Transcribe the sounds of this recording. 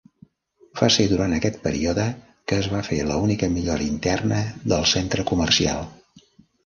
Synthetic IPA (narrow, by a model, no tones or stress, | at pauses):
faseðuɾant̪əkɛt̪̚pəɾḭoðə | kəːzβ̞afelə̰unikəmiʎoɾəint̪ɛrnəðəlˠsent̪ɾəkumərsia̰lˠ